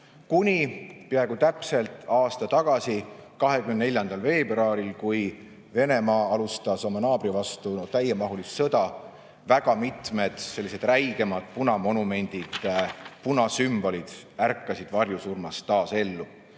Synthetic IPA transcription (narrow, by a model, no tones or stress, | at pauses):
kunʲipeɑeɡut̪æpse̞lt̪ɑːst̪ɑt̪ɑɡ̥ɑsikɑɦekymenne̞lʲjɑnd̪ɑlve̞ːbrɑːɾilkuj | ve̞ne̞mɑːɑlust̪ɑso̞mɑnɑːbɾivɑst̪ut̪æjemɑɦulisːɤ̞d̪ɑ | væɡ̥ɑmit̪me̞d̪̥se̞lːise̞d̪̥ræjɡ̥e̞mɑd̪̥punɑmo̞nume̞nʲd̪̥id̪̥punɑsymb̥o̞lid̪̥ærkːɑsid̪̥vɑrjusurmɑst̪ːɑːse̞lːu